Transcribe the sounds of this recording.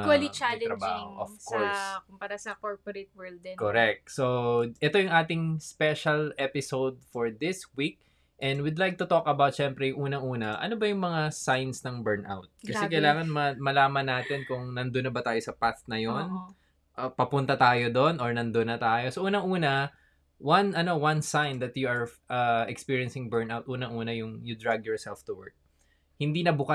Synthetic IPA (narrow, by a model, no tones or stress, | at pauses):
wɐlit͡ʃalɛɾɐbaːhoʔofkoɹskʊmpɐɾasɐkoɹpoɾet̪̚wɛɹld̪ɛkoɾɛk̚t̪̚soʔɛt̪o̞jʊŋʔaːt̪̬ɪŋspɛʃɐlɛpɪsowd̪̚foɹd̪ɪswik̚ | ʔɛ̃nwɪd̪lajk̚t̪ʊt̪okɐbawt̪̚ʃɛmpɾɛjʊŋʔuːnɐŋʔuːnɐʔɐ̰nobɐjʊŋmɐŋasajnsnɐŋbɛɹnʔa̰wt̪̚kɐɛkɐjlaːŋɐnmɐmɐlaːmɐnːaːt̪ɪnkʊŋnɐnd̪onːɐbɐt̪aːjosɐpaθnɐjon | ʔɐpɐpʊnt̪ɐt̪aːjod̪onoɹnɐnd̪onːɐt̪aːjosoʔuːnɐŋʔuːnɐ | wɐnʔɐnowɐnsajnd̪ɐt̪juɐɹʔɐɛkspiːɹiɐnsɪŋbɛɹnawt̪̚ʔuːnɐŋʔuːnɐjʊŋjʊd̪ɹaɡ̚jɔɹsɛlft̪ʊwɛɹk̚ | hɪnd̪inɐbʊka